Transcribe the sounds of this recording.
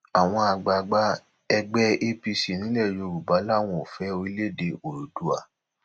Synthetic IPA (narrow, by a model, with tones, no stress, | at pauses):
a˨w̃ɔ̃˧a˧ɡ͡ba˨˧ɡ͡ba˦ | ɛ˧ɡ͡bɛ˦e˧pi˧si˨nĩ˨˦ɛ˦˨jo˧˨ɾu˨ba˨˦la˦˨w̃ɔ̃˧o˨fɛ˨˦o˧i˦le˦˨de˧o˨ɾu˨du˨a˨